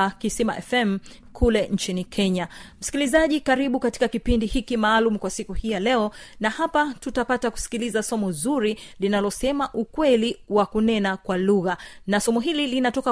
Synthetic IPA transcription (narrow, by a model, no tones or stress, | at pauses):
kisima̰ʔɛfɛm̩ | kʰulɛn̩t͡ʃinikʰɛɲam̩si̥kilizaʄikaɾiɓukati̥kakipindihikimaːlum̩kwasikuhijalɛɔnahapatutapataku̥si̥kilizasɔmɔzuɾilinalɔsɛmaʔukwɛliwakunɛnakwaluɣanasɔmɔɦililinatɔka